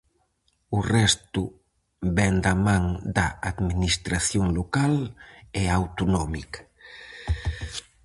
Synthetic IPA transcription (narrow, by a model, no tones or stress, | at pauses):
ʊrɛst̪ʊ | βɛnd̪amãŋd̪ɐaðminist̪ɾaθjoŋlokalɛawt̪onɔmikɐ